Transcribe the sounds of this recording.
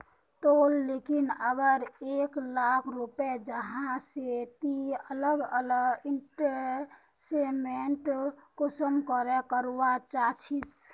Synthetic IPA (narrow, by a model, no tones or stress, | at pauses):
t̪olːekinəɡəɾeːklakʰɾuped͡ʒəɦãset̪iələɡələɡɪɳʈəɾ | semeɳʈkosəmkəɾekəɾwat͡ʃat͡ʃʰis